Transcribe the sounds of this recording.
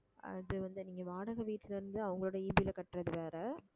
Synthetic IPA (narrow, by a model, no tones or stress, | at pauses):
ɐ̰ðɯʋɐnd̪ɯniːŋɡɐʋaːɽɐɣɐʋiːʈːɯlɪɾɯnd̪ɯɐʋɐŋɡɐɭoːɽɐiːbiɪlɐkɐʈːrɐðɯʋeːɾɐ